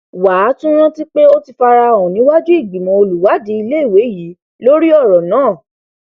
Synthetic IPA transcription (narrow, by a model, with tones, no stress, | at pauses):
wa˨˦tũ˦ɾ̃ã˦ti˦k͡pe˦o˦ti˧fa˧ɾa˧˦˨ɔ̃˨nĩ˨˦wa˦d͡ʒu˦i˦˨ɡ͡bi˨mɔ̃˨o˧lu˨wa˨˦di˨˦i˧le˦i˦˨we˨˦ji˨˦ | lo˦ɾi˦ɔ˦˨ɾɔ˨nãː˨˦˨